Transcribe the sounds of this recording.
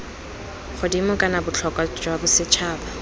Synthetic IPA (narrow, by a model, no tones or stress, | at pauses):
χʊdimʊkʼanabʊt͡ɬʰɔkʼat͡ʃwabʊsɪt͡ʃʰaːba